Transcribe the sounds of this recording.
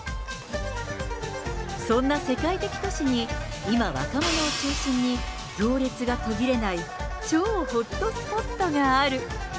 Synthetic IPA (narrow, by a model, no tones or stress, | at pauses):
sõ̞nːase̞kait̪e̞kʲi̥t̪o̞ɕiɲ̟i | imaβa̰kamo̞no̞ːt͡ɕɨːɕĩɲ̟ːi | ɡʲo̞ːɾʲet͡sɨɡat̪o̞ɡʲiɾe̞nait͡ɕo̞ːho̞t̪ːo̞sɨ̥po̞t̪ːoɡaːɾɯ̟